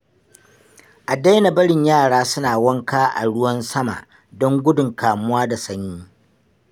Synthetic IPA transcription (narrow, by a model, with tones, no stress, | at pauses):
ʔa˨da˦jna˨bɐ˦ɽɪ˨ɲjaː˦˨ɽaː˦sʊ˦naː˨wɐ˦ŋkaː˦ʔa̰˨ɽʊ˦wɐ˦nsɐ˦ma̰˨ʔ | dɔ˦ŋɡʷʊ˦dʊ˨ŋkaː˨mʊ˦waː˦da˨sɐ˦ɲjiː˦